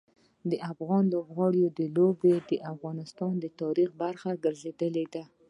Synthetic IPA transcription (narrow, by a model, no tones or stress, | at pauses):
d̪əʔafɣɑnlobɣɑɽjod̪əlobed̪əʔafɣɑnɪst̪ɑnd̪ət̪ɑɾixbaɾxaɡəɾzed̪əled̪a